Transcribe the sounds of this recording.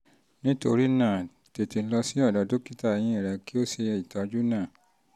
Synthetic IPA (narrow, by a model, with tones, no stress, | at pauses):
nĩ˦to˧ɾi˦nãː˦˨ | te˨ti˨˦lɔ˧si˦ɔ˦˨dɔ˨˦do˦ki˦ta˦˨˧j̃ĩ˦˨ɾɛ˧˦ki˦o˦se˧ɛ˧˨i˨ta˨˦˧d͡ʒu˦nãː˦˨